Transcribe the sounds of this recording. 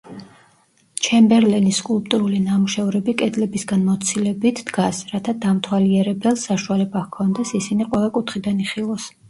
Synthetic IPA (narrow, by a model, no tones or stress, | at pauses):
t͡ʃʰɛmbɛɾlɛniskʼulˠpʼt̪ʼuɾulinamuʃɛvɾɛbikʼɛd̪lɛbisɡanmɔt̪sʰilɛbit̪ʰd̪ɡasɾat̪ʰad̪amt̪ʰwaliɛɾɛbɛlˠsaʃualɛbakʰɔnd̪ɛsisiniqʼwɛvɛlkʼut̪ʰχid̪aniχilˠɔs